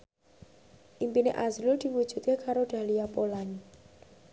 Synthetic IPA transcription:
ʔimpineʔazlud̪̥i̤wud̥d͡ʒ̥ṳt̪̚kekaɾoɖ̪̥a̤liapolaɲ

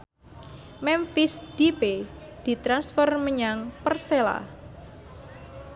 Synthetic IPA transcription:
mɛmfisd̥ipe | d̪̥i̤t̪ɾansfɔrməɲaŋpərsela̰

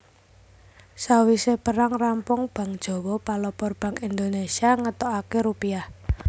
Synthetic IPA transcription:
sawisepəɾaŋrampʊŋb̥a̤ŋd̥ʒ̥ɔ̤wɔpalɔpɔrb̥a̤ŋind̪onesiaŋət̪ɔakeɾupiah

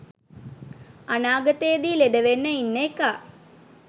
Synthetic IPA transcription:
ɐnaːɡɐt̪eːd̪ileɖɐʋenːəinːeːkaː

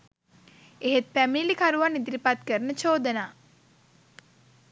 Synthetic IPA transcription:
eɦet̪̚pæmilikaɾuʋanːid̪iɾipat̪kəɾənət͡ʃoːd̪ənaː

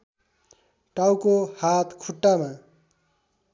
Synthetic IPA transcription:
ʈawkohat̪ʰkʰuʈːama

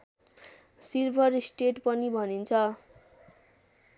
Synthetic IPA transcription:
sirbʱʌɾsʈeʈpʌnibʱʌnint͡sʰʌ

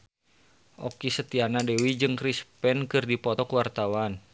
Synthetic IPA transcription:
ʔɔkisət̪ianadewid͡ʒɨŋkɾispɛnkɨrdipɔt̪ɔkuwart̪awan

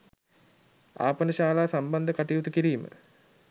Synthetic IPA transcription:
a̰ːpənəʃaːlaːsamband̪əkaʈijut̪ukiɾiːmə̰

